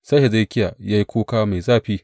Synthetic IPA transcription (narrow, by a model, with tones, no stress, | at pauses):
sa˦ʃe˨zɐ˦˨˦kʲɪ˦ja˨ja˦ji˦kʷuː˦kaː˦ma˨jzaː˦ɸiː˦